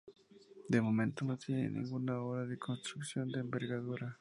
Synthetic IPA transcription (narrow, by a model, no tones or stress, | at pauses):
d̪emomẽnt̪onot̪jenḛnḭ̃ŋɡunaoɾaðekʰonst̪ɾuksjo̞nd̪eːmbeɾɣaðuɾa